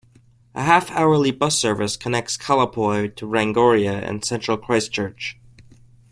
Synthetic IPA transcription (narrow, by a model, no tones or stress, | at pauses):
ʔə̰ɦæfaʊə˞libʌsɜ˞vɨskʰənɛk̚tskʰælˠəpʰɔɪɾʰəɹæ̃ŋɡɔɹiɨɨ̰̃nsɛ̃nt͡ʃɹ̥əl̩ˠkʰɹ̥aɪst͡ʃʰɜ˞t͡ʃ